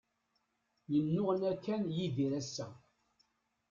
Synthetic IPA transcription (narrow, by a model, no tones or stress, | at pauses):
jənːʊʁnækːænjiðiɾæsːæ